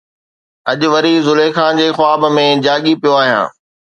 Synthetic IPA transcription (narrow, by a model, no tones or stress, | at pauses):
ɐʄʊ̆ʋɐɾizʊlexãːnd͡ʑeːxʊaːbmẽd͡ʑaːɠipijoaːɦijã̰ː